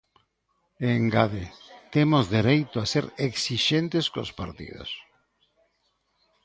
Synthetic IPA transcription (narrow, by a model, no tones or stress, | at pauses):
eŋɡaðet̪emozðeɾejt̪oaseɾeksiʃent̪ɪskospaɾt̪ḭðo̰s